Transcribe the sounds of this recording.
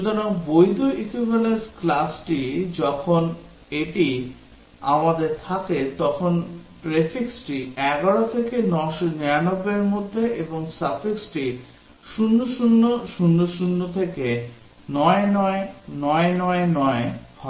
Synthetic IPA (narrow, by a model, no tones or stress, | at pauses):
ud̪ʱaɾoŋbojd̪ʱoʔikʰibalesklasʈid͡ʑɔkʰon | eʈi | a̰mad̪eɾt̪ʰaket̪ɔkʰon | ʈɾefiksʈiɛɡaɽot̪ʰekenɔʃonianobːeɾmod̪ʱːeʔeboŋsafiksʈi | ʃunːoʃunːoʃunːoʃunːot̪ʰeke | nɔenɔenɔenɔenɔebʱa